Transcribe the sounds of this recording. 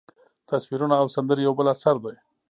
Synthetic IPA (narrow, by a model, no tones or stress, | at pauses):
t̪asfiɾunaːwsand̪əɾejawbəlasaɾd̪aj